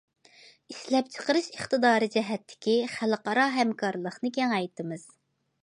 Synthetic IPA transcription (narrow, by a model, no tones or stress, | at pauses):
iʃlɛp̚t͡ʃʰə̥qəɾɨʃəχt̪ɨd̪ɑːɾɨd͡ʒɛɦɛt̪ʰːɪ̥kʲiχælˠqɑɾɑɦɛmkʰɑɾlˠəχnɨɡʲɛŋɑjt̪ɨmɨz̥